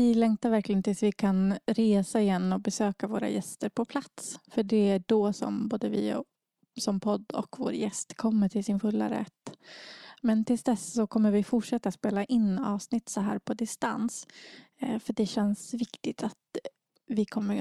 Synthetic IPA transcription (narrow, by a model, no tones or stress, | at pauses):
vɪlɛŋkt̪aɾvæɾklɪɡənt̪ʰɪlsvɪkʰanɾeːsaɪjɛnːɔbɛsøːkavoːɾa̰jɛst̪əɾpʰɔpʰlat̪sfœɖɛæɖoːsɔ̰mboːd̪əvɪ̰ | sɔmpʰɔd̪ːɔ̰kvo̰ːɾjɛst̪kʰɔmːəʈʰɪlsɪnfɵlːa̰ɾɛ̰t̪ː | mɛnt̪ʰɪlsd̪ɛssɔkʰɔmːəɾvɪfʊʈʂɛt̪ːat̪speːlaʔɪnːɑ̰ːvsnɪt̪ːsɔɦæ̰ːɾpʰɔd̪ɪst̪a̰ns | fœʈ̚ɖɛɕɛnsvɪkt̪ɪt̪ʰat̪ | vɪkʰɔmːə